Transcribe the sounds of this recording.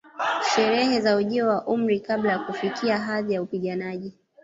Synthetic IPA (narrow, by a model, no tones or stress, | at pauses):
ʃɛɾɛhɛzauʄiɔwaʔum̩ɾikaɓlajakufikiaɦaðijaupiɠanaʄi